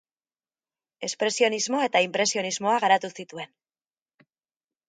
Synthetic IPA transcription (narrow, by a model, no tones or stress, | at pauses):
e̞spɾe̞sio̞nizmo̞e̞t̪aimpɾe̞sio̞nizmo̞aɣaɾat̪usit̪ue̞n